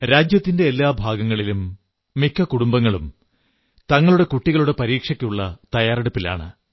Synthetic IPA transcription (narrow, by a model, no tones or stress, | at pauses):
ɾaːd͡ʑjɐt̪ːinde̞ːlːaːbʱaːɡɐŋːɐɭilumː | ikʰːɐkuɽumbɐŋːɐɭum | t̪ɐŋːɐɭuɽe̞kuʈːiɣɐɭuɽe̞pɐɾiːkʂɐkʲːuɭːɐt̪ɐjaːreɽupːila̰ːɳɨ̰